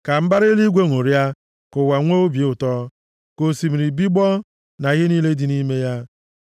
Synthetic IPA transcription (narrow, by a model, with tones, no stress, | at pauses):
ka˨m̩˦ba˦ɾɪ˦li˦ɡʷe˦ŋʷo˨ɾja˦ | kʊ˨wa˨ŋʷo˦o˦bje˨˦ʊ˨tɔ˦ | ko˨si˨m̩˨ɾi˨bi˦ɡ͡bɔ˦ | na˨ɣɪ˦niː˦le˦di˨ni˦me˦ja˦